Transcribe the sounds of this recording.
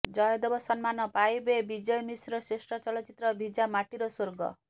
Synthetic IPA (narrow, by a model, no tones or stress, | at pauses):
d͡ʒɔjɔd̪ɔbɔsɔnmanɔpajbebid͡ʒɔjmisɾɔsesʈɾɔt͡ʃɔlɔt͡ʃit̪ɾɔbʱid͡ʒamaʈiɾɔsoɾɡɔ̰